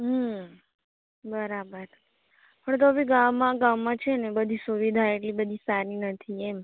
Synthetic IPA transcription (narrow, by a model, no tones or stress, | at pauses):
ɦə | bəɾabəɾ | pəɳt̪̬oəbiɡãʋːãɡaʋːãt͡ʃʰenebəd̪ʱisuʋid̪ʱaeʈlibəd̪ʱisaɾinət̪ʰiem